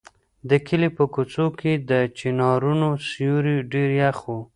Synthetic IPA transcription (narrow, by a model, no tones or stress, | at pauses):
d̪əkʰɪlipəkut͡sokʰed̪ət͡ʃinɑɾunosjuɾiɖeɾjaxwu